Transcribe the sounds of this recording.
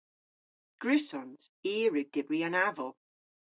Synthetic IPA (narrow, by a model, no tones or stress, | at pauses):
ɡ̥ɹɪsɔns | iːɹɪɡ̚d̥ɪbɹianavɔlˠ